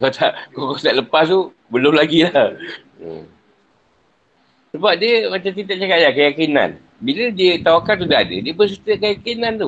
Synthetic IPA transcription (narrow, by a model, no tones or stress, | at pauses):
kat̪aʔkokat̪aʔləpas̬t̪u | bəlʊmlaɡilah | ə̰ | səbap̚diəmat͡ʃamt̪it̪aʔ̚t͡ʃakajakəjakina̰n | bilədiət̪awakans̬udaɦadə̰diəpəs̬it̪əkəjakinãnt̪u